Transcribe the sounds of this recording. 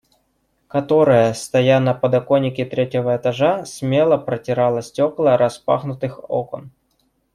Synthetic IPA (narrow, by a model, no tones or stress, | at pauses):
kɐt̪o̞ɾəjəst̪ɐjanɐpəd̪ɐko̞nʲɪkʲɪt̪ɾʲetʲɪvəɛt̪ɐʐasʲmʲe̞lˠəpɾətʲɪɾalˠəsʲtʲo̞klˠəɾɐspa̰xnʊt̪ɨxo̰kon